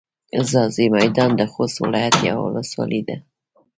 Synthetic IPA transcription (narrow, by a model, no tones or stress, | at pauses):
zɑzimajd̪ɑnd̪əxost̪wɪ̰lɑjat̪ja̰wʊ̰ləswɑ̰lʔid̪a